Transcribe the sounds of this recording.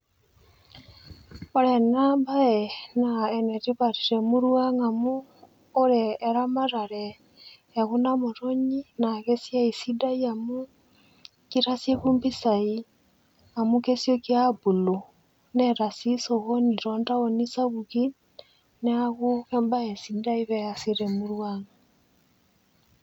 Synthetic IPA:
o˨ɾɛnabaɛnaɛne˨ɾiβaɾi˨ɾemu˦ɾwaŋa˨muː˦ | ɾeːɾama˦ɾa˨ɾɛː˨ | ɣu˦namo˨ɾoɲi˦na˨ɣe˦si˦a˦i˨sida˦iamu˦ | kiɾasje˦βu˦mbi˦sai | a˨muke˦si˦ɔ˦ki˦a˦bu˨lo | nɛɾasi˦so˨ɣo˦ni˨ɾɔ˦nda˦o˨ni˦sa˦ɣuɣi˦ | nɛ˦aɣu˦ɣɛmba˦e˨si˦da˦iβɛjasiɾɛmuɾwaŋa

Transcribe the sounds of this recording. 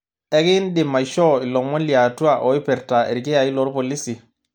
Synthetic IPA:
e˦ɡi˦ndi˨mːa˨jʃɔ˦i˨lɔ˨mɔ˦nli˨a˨tu˦a˦˨ʔo˨i˦pɛ˨ɾta˨ḛ˨ɾɡe˦ja˨i˦lɔ˨˦ɾpo˨li˦si˨

